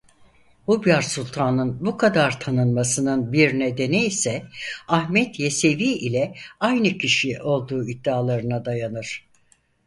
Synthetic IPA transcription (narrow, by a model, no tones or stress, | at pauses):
ubjaɾsulʲˠt̪ʰaːnɯnbukʰad̪aɾt̪ʰanɯnmasɯnɯnbiɾne̞d̪e̞niisɛahmɛt̪jese̞viːʔilʲɛajnɯcʰiʃiʔo̞lˠd̪uːid̪ːaːlˠaɾɯnad̪ajanɯɾ̥